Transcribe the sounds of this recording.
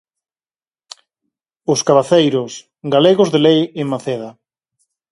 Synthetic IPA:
ʊskaβaθejɾʊs | ɡaleɣozðelejeŋmaθeða

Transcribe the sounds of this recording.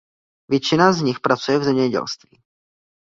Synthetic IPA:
vjɛt͡ʃɪnazɲɪxpɾat͡sujɛvzɛmɲɛɟɛ̰lst̪viː

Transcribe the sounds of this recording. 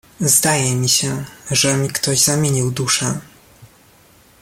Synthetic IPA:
zd̪ajɛmʲiɕɛʐɛmʲikt̪ɔʑzamʲjeɲiwd̪uʂɛ

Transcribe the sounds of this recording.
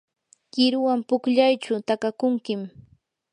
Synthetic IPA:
kɪɾʊwampʊkʎajt͡ʃʊt̪akakʊŋkɪm

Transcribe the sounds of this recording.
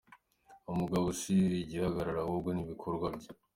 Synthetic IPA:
umuɡaβosiiɟihaɡaɾaɾawubɡoniβikʰo̞ɾɡwabɟe

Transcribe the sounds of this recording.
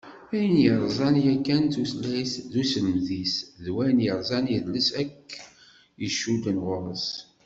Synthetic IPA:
æjənjəɾˤzˤɑnjækːænt̪uslæjθðusələmðisðwænjəɾˤzˤɑnjəðləsækː | jəʃːud̪ənʁʊɾˤəs

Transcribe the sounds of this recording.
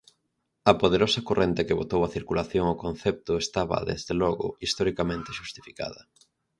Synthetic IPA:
ɐpoð̞eɾosɐkorʔent̪ekɪβot̪owɐθiɾkulaθjoŋokonθɛp̚t̪ʊest̪aβɐ̰ðḛzðelɔɣʊ̰ist̪ɔɾikamẽnt̪ɪʃust̪ifika̰ðɐ

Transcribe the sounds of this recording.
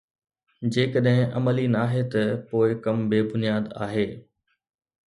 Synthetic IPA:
d͡ʑeːkəɗɦɪ̃ʔɐməlinaːɦet̪ɐpoːɪkɐmbeːbʊnijaːd̪a̰ːɦeː

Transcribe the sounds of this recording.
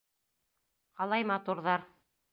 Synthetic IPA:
qɑlˠɑjmɑt̪uɾðɑɾ

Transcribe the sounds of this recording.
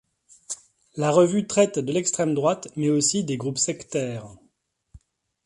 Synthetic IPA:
laʁəvyt̪χɛt̪d̪əlɛkst̪χɛmd̪ʁwat̪mɛosid̪eɡʁupsɛkt̪ɛːʁ

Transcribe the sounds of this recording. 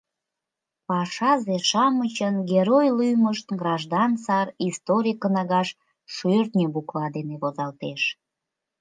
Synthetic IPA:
pɑʃɑzeʃɑmət͡ɕənɡeɾojlyjməʃt̪ɡrɑʒd̪ɑnsɑrist̪oɾʲikənɑɣɑʃ | ʃørt̪nʲebuklɑd̪eneβozɑlt̪eʃ

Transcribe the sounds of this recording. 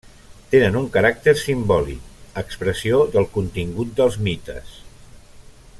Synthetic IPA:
t̪enənuŋkəɾak̚t̪əɾsimbɔlḭk̚əkspɾəsioðəlˠkunt̪iŋɡut̪̚d̪əlˠzmit̪ə̰s

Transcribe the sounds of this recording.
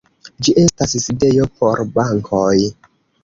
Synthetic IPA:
d͡ʒiʔe̞stasside̞jo̞poɾbaŋkʰoj

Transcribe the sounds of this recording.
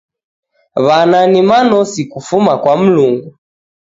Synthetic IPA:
βananimanɔsikufumakwam̩luŋɡu

